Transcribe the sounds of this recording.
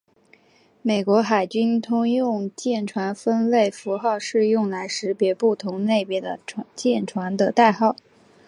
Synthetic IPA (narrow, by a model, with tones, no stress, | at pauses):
me˨˩ɪkwɔ˧˥xa˨˩ɪt͡ɕy˥nt̪ʰʊ˥ŋjʊ˥˧ŋt͡ɕjɛ˥˩nʈ͡ʂʰwa˧˥nfə˥nle˥˩ɪfu˧˥xɑ˥˧ʊʂɻ̩˥˧jʊ˥˩ŋla˧˥ɪʂɻ̩˧˥pjɛ˧˥pu˥˩t̪ʰʊ˧˥ŋne˥˩ɪpjɛ˧˥d̪ə̰˧t͡ɕjɛ˥˩nʈ͡ʂʰwa˧˥nd̪ə˧t̪a˥˧ɪxɑ˥˩ʊ